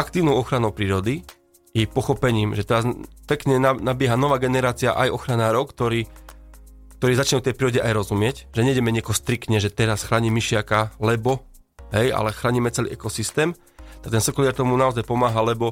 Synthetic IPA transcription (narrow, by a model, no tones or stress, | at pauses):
ʔakt̪iːʊnɔʊɔxɾanɔʊpɾiːɾɔd̪i | jɛpɔxɔpɛɲiːmʒɛt̪ɛɾazpɛkɲɛnanabɪɛɦanɔʋaːɡɛnɛɾaːt͡sia̰ʔajɔxɾanaːɾɔʊkt̪ɔɾiː | k̚t̪ɔɾiːzat͡ʃɲɛft̪ɛjpɾiːɾɔɟɛʔajɾɔzumɪɛcʒɛɲɛiɟɛmɛɲɪɛkɔɦɔst̪ɾikt̪ɲɛʒɛt̪ɛɾasxɾaːɲimːiʃɪakalɛbɔ | ɦɛja̰lɛxɾaːɲimɛt͡sɛlḭʔɛkɔsist̪ɛːm | t̪ak̚t̪ɛnsɔkɔlɪaɾt̪ɔmunaɔzajpɔmaːɦalɛbɔ